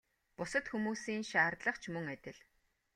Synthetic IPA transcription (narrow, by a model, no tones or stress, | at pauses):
pʊsə̆t̪xumuːsiːnʃaːrt̪ɮə̆χt͡ɕʰmɵŋæt̪ʲɪ̆ɮ